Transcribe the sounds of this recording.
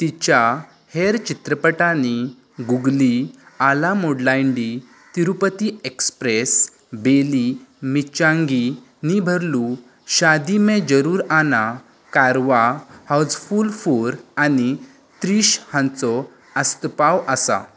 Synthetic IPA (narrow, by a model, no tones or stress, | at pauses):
t̪it͡ɕa | heɾt͡ɕit̪ɾəpəʈani | ɡuɡlialamoɽlajɳɖi | t̪iɾupət̪iekspɾes | belimit͡ɕãŋɡi | nibʱəɾlu | ɕad̪imẽd͡ʑəɾuːɾana | kaɾʋahawd͡zfuːlfuɾani | t̪ɾiːɕhãnt͡sɔ | əst̪əpawəsa̰